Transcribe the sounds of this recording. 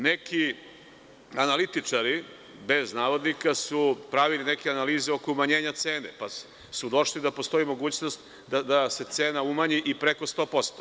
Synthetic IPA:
nekʰi | analit̪it͡ʂaɾi | be̞znaːʋo̞d̪nikasupɾaʋilinekeanaliːzeo̞koumaɲe̞ːɲat̪se̞ːnepa | sud̪o̞ʂlid̪apo̞st̪o̞imo̞ɡuːt͡ɕnost̪ | d̪ad̪ase̞t̪seːnaumaɲiʔipɾeko̞st̪o̞ːpo̞st̪o̥

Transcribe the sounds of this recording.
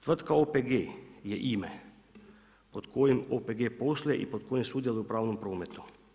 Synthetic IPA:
t̪ʋrt̪kaopeɡejɛʔimɛ | pot̪kʰoːjimopeɡeːposljɛʔḭpot̪kʰoːjimsuːd̪jelupɾaːwnompɾoːmɛt̪u̥

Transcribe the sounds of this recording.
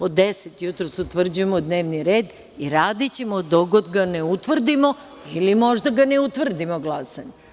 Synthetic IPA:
pod̪eset̪ijut̪ɾosut̪ʋr̩d͡ʑuje̞mod̪ne̞ːʋniɾe̞ːd̪ | iɾaːd̪it͡ɕemod̪oɡod̪ɡaneut̪ʋr̩d̪imo̞ | ilimo̞ʒd̪aɡane̞ut̪ʋr̩d̪imoɡlˠasaɲe

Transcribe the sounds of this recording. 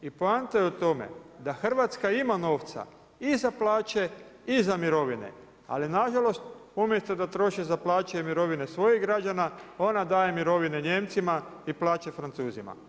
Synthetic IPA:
ipant̪ajut̪o̞me̞̰d̪axr̩ʋat̪skaimano̞ːʋt̪sa̰ | izaplaːt͡ʃe̞izamiɾo̞ʋinḛ | a̰linaʒalo̞st̪umjest̪od̪at̪ɾo̞ʃizaplaːt͡ʃeemiɾo̞ʋinesʋo̞jiɦɡɾad͡ʑanao̞nad̪aːje̞miɾo̞ʋineɲe̞mt̪simaiplaːt͡ɕefɾant̪suːzima̰

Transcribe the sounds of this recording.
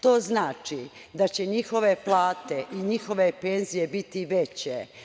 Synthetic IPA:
t̪o̞ːznaːt͡ʃi | d̪at͡ɕe̞ɲixo̞ʋe̞plˠaːt̪e̞ʔiɲixo̞ʋe̞pe̞nzijebit̪iʋe̞t͡ɕe

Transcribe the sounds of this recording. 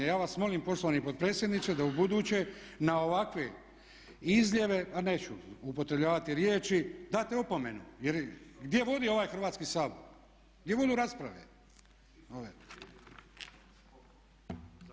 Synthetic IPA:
jaːʋasmo̞limpo̞ʃlˠoanipo̞t̪̚pɾe̞ːt̪sjed̪nit̪sed̪aubud̪uːt͡ɕe̞nao̞ʋakʋe | izʎjeʋe̞pane̞ːt͡ɕuupo̞t̪ɾe̞bʎʲaːʋat̪iɾjeːt͡ʃid̪aːt̪eopome̞nujeɾɡd̪ʲje̞ʋo̞d̪io̞ʋaːjxr̩ʋaːt̪skisaːboɾ | ɡd̪je̞ʋo̞d̪uɾaspɾaʋḛ | oʋe

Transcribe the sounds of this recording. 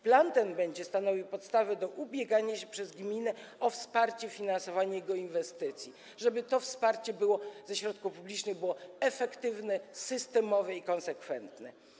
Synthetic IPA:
plant̪ɛnbɛɲd͡ʑɛst̪anɔvʲiwpɔt̪st̪avɛd̪ɔʔubʲjɛɡaɲaɕɛpʂɛzɡmʲinɛɔfspaɾt͡ɕɛfʲinansɔvaɲajɛɡɔinvɛst̪ɘt̪sʲji | ʐɛbɘt̪ɔfspaɾt͡ɕɛbɘwɔzɛɕɾɔt̪̚kufpublʲit͡ʂnɘɣbɘwɔɛfɛkt̪ɘvnɛsɘst̪ɛmɔvɛikɔ̃nsɛkfɛnt̪nɛ

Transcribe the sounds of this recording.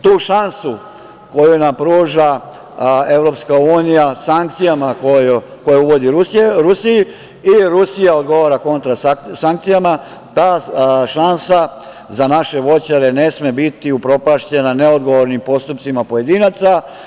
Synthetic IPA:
t̪uːʃansu | ko̞junampɾuːʒa | e̞ʋvɾo̞pskauːnijasaŋk̚t̪sijamakojko̞jeuʋo̞d̪iɾusɾusiji | iɾusijao̞d̪ɡo̞ʋaːɾako̞nt̪ɾasaŋk̚t̪sijama | t̪aːʃansa | zanaʃe̞ʋo̞t͡ɕaɾe̞ne̞smebit̪iupɾo̞paʃt͡ɕe̞nane̞od̪ɡo̞ʋoɾnimpo̞st̪upt̪simapo̞je̞d̪inat̪sa

